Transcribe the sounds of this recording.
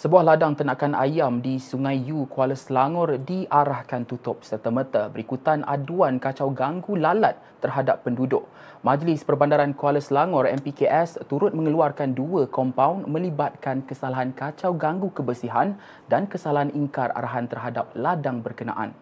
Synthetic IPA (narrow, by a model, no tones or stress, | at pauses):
səbuahladaŋt̪ənaʔkanʔa̰jamdisuŋãjjukwaləslaŋɔrdiʔaɾahkant̪ut̪ʊp̚sərt̪əmət̪abəɾikut̪anʔa̰duankat͡ʃawɡaŋɡulalat̪̚ːərɦadapːəndudʊʔ̚ | mãd͡ʒlɪspərbandaɾankualəslaŋɔrɛ̰mpikeʔɛst̪uɾʊt̪̚mə̃ŋəluarkanduəkɔmpawnmə̃libat̪̚kankəsalaɦankat͡ʃawɡaŋɡukəbəsiɦan | dankəsalaɦaniŋkara̰ɾaɦant̪ərɦadap̚ladaŋbərkəna̰ʔa̰n